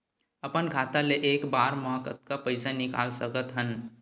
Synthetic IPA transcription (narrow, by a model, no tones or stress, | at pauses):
əpənkʰaːt̪aleʔeːkbaːɾmɔːkə̰t̪̚kapəɪsanɪka̰ːlsəkət̪ɦən